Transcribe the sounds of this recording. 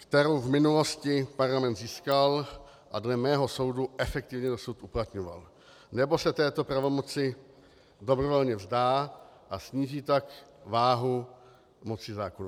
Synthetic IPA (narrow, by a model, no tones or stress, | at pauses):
kt̪ɛɾowvmɪnulo̞scɪpaɾlamɛnd̪ziːskal | ʔadlɛmɛːɦo̞so̞wduʔɛfɛk̚t̪ɪvɲɛdo̞sut̪ʔuplat̪ɲova̰l | nɛbo̞sɛt̪ɛːt̪o̞pɾavo̞mo̞t͡sɪ | do̞bɾovo̞lɲɛvzdaːʔasɲiːʒiːt̪akvaːɦu | mo̞t͡sɪzaːkonu